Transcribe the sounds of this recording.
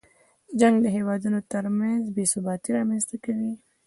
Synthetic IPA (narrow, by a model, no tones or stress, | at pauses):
d͡ʒaŋɡd̪əɦewɑd̪unot̪əɾmanzbesubɑt̪iɾɑmanst̪akawi